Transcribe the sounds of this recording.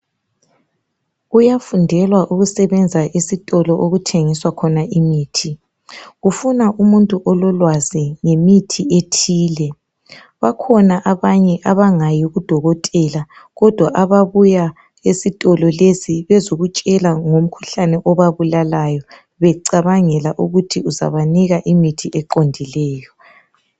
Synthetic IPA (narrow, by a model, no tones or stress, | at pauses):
ujafundʱɛlwaʔuɣusɛβɛnd͡zʱaʔisitʼɔlɔʔoɣutʰeŋiswakʰɔnaʔimiːtʰi | ɣufunaʔumuntʼuʔɔlɔlwaziŋemitʰietʰiːlɛ | βakʰɔnaʔaβaɲɛʔaβaŋajiɣud̥ʱɔɣɔtʼɛla | ɣɔd̥ʱwaʔaβaβuja | esitʼɔlɔlesiβɛzoɣut͡ʃʼɛlaŋom̩kʰu̥ɬanɛʔɔβaβulalajɔ | βɛǀaβaŋɛlaʔuɣutʰiuza̰βaniɣaʔimitʰiʔɛǃondʱilɛːjɔ